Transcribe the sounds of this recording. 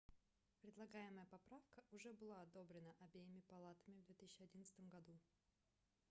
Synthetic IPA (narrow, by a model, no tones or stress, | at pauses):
pɾʲɪd̪lˠɐɡajɪməjəpɐpɾafkəʔʊʐɛbɨlˠaɐd̪o̞bɾʲɪnəʔɐbʲejɪmʲɪpɐlˠat̪əmʲɪvd̪vʲet̪ɨsʲt͡ɕɪɐdʲinət̪sɨ̥t̪əmɡɐd̪u